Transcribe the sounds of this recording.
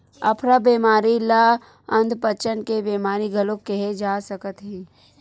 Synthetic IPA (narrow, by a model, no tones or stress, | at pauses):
ɐ̰pʰɾabeːmaːɾila | ə̃nd̪ʱpət͡ʃənkebeːmaːɾiɡʱɐlokɛɦed͡ʒaːsəkət̪ɦɛ̃ː